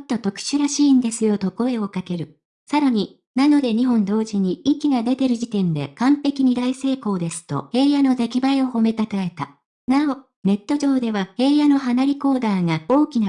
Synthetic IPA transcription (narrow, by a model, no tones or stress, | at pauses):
mot̪ːo̞t̪o̞kɯ̟̥ɕɨɾaɕiːnd̪e̞sɨjo̞t̪o̞ko̞e̞o̞kake̞ɾɯ̟ | saɾaɲ̟i | nano̞d̪e̞ɲ̟iɦõ̞nd̪o̞ːʑiɲ̟iikʲiɡad̪e̞t̪e̞ɾɯ̟ʑit̪ẽ̞nd̪e̞̰kãmpe̞kʲiɲ̟id̪aise̞ːko̞ːd̪e̞sɨ̥t̪o̞̰he̞ːjano̞ze̞kʲibaio̞ho̞me̞t̪at̪ae̞t̪a | nao | ne̞t̪ːo̞ʑo̞ːd̪e̞βahe̞ːjano̞ɦanaɾʲiko̞ːd̪aːŋao̞ːkʲina